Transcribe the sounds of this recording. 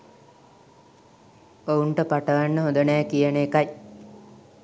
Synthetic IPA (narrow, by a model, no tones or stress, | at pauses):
ouɳʈəpaʈəʋanːəɦond̪ənɛːkijənːkaj